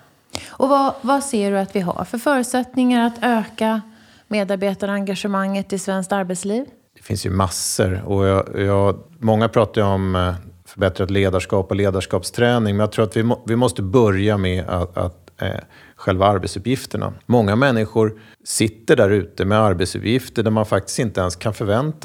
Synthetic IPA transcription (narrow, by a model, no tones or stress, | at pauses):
ʔɔvavaseːɖɵat̪vɪɦa̰ɾfœɾfœːɾʉ̟t̪sɛt̪nɪŋaɾat̪ʰøːka | meːd̪aɾbeːt̪aɾəaŋɡaʂəmaŋːət̪ʰːɪlsvɛnskt̪aɾbɛt̪sliːv | d̪̥ɛfɪ̰nsjɵ̰masːəɾɔjjɑːmɔŋːapʰɾɑːt̪ajɔmfœbɛt̪ɾat̪leːd̪aʂkɑːpɔleːd̪aʂkɑːpst̪ʰɾɛːnɪŋmɛnjat̪ʰɾuːɾat̪vɪɔvɪmɔst̪əbœɾjamɛa̰a̰t̪ | ɧɛlvaaɾbɛt̪sɵpjɪft̪əɳa̰mɔŋːamɛnːɪɧʊɾ | sɪt̪ːəɖæɾʉ̟ːt̪əmɛaɾbɛt̪sɵ̰pjɪft̪əɖæɾmanfak̚t̪ɪ̥st̪ɪnt̪əɛnskʰanfœɾvɛnt̪a